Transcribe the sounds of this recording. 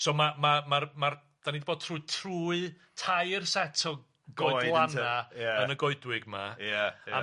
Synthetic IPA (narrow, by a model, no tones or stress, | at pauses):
soːmamamarmar | d̥anidiboːd̥̚tʰruːɨtʰruːɨ | tʰajrsɛtʰɔ | ɡɔjdlˠanaənəɡɔɨdwɪɡmajaa